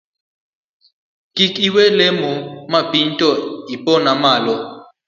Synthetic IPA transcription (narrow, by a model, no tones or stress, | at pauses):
kʼikʼiwɛlemumapʼin̩tʼɔipʼɔnamaːlɔ